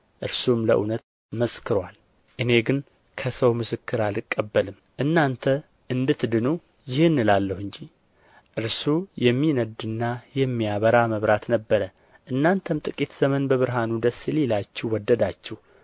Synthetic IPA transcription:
ʔɨɾsumləʔṵnət̪ | məskʰɨɾwal | ʔɨne̞ɡɨn | kʰəsəwmɨsɨkːɨɾalɨkʼːəbːəlɨm | ʔɨnːant̪ʰə | ʔɨnd̪ɨt̪d̪ɨnu | jɪhɨnːɨlalːəhɨɲd͡ʒi | ʔɨɾsujɛmːinəd̪ɨnːajɛmːijaβəɾaməβɾat̪nəbːəɾə | ʔɨnːant̪ʰəmt̪ʼɨkʼit̪z̥əmənbəβɨɾɦanud̪əsːililat͡ʃːɛwɔd̪ːəd̪at͡ʃːɛh

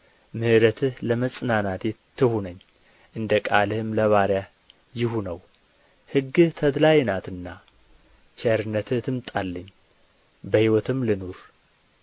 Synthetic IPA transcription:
mɨhɨɾət̪ʰɨhləməsʼnanat̪ʰet̪ʰːɨhunəɲː | ʔɨnd̪əkʼalɨhɨmləβaɾja | jɪhunəw | hɨɡːɨht̪ʰəd̪lajnat̪ɨnːa | t͡ʃɛɾɨnːət̪ʰɨht̪ʰɨmt̪ʼalːəɲː | bəhiwɔt̪ʰɨmlɨnoɾ

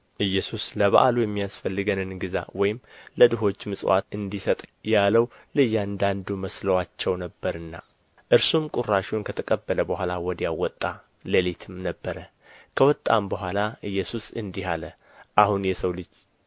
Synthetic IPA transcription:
ʔɨjːɛsusləβaʔalujɛmːijasfəlːɨɡənɨnɡɨza̰wɔjɪmləd̪ɨɦo̞t͡ʃːmɨsʼwʔa̰t̪ɨnd̪isət̪ʼjaləw | lɨjːand̪and̪uməsləwat͡ʃːɛwnəbːəɾɨnːa̰ | ʔɨɾsumkʼurːaʃwnkʰət̪ʰəkʼəbːələbəhʷalawɔd̪ijawɔt̪ʼːa | ləlet̪ʰɨmnəbːəɾə | kʰəwɔt̪ʼːa̰mbəɦʷalaʔɨjːɛsusɨnd̪iɦalə | ʔahunjɛsəwlɨd͡ʒ

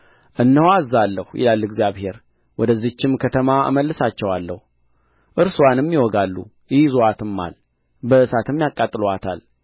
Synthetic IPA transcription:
ʔɨnːəhwazːalːəhujʔɪ̰lalːɡzijaβhe̞ɾ | wʔɔd̪əzːit͡ʃːɪmkʰət̪ʰəmaɨ̰məlːɨsat͡ʃːɛwalːəh | ʔɨɾsuwanɛmːiwɔɡalːṵ | jɪhzoat̪ɨmːa̰l | bəɨsat̪ɨmːjakʼːat̪ʼːɨlowat̪ʰal

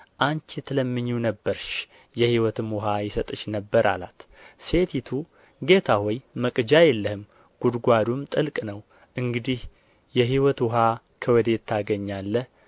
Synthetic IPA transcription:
ʔant͡ʃt̪ʰɨləmːɨɲːunəbːəɾʃ | jɛhiwɔt̪ʰɨmwʊɦajɪsət̪ʼɨʃnəbːəɾʔa̰la̰t̪ | se̞t̪ʰit̪ʰu | ɡe̞t̪ʰahojməkʼɨd͡ʒajɛlːəhɨm | ɡ̥ud̪ɡʷad̪umt̪ʼɨlkʼnəw | ʔɨŋɡɨd̪ih | jɛɦiwɔt̪wʊɦa | kʰəwɔd̪e̞t̪ʰːaɡəɲːalːəh

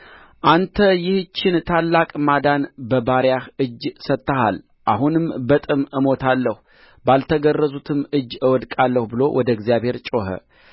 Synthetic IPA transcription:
ʔant̪ʰəjɪht͡ʃːɪnt̪ʰalːakʼmad̪anbəbaɾjahɨd͡ʒsət̪ːəha̰l | ʔaɦunɨmbət̪ʼɨmʔɨmo̞t̪ʰalːəhu | balt̪ʰəɡərːəzut̪ʰɨmɨd͡ʒːɨwɔd̪kʼalːəhubɨlo̞wʔɔd̪əɡzijaβhe̞ɾt͡ʃʼo̞ɦə̰

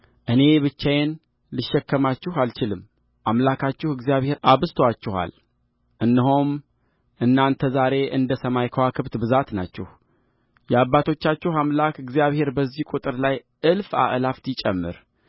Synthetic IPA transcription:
ʔɨne̞βɨt͡ʃːajen | lɨʃːɛkːəmat͡ʃːɪhalt͡ʃɪlɨmː | ʔamlakʰat͡ʃːɪhɨɡzijaβhe̞ɾaβɨst̪ʰwat͡ʃːɪha̰l | ʔɨnːɨɦom | ʔɨnːant̪ʰəzaɾe̞ʔɨnd̪əsəmajkʰəwakʰɨβt̪bɨzat̪na̰t͡ʃːɛ̰h | jɛaβːat̪ʰo̞t͡ʃːat͡ʃːɪhamlakɨɡzijaβhe̞ɾbəzːihkʷʼut̪ʼɨɾlaj | ʔɨlfa̰ʔlaft̪jɪt͡ʃʼɛmːɨ̰ɾ

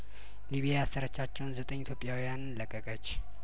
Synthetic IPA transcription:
liβijaasəɾət͡ʃːat͡ʃːɛwnzət̪ʼəɲːit̪ʰjopʼːjawijanɨnləkʼːəkʼət͡ʃː

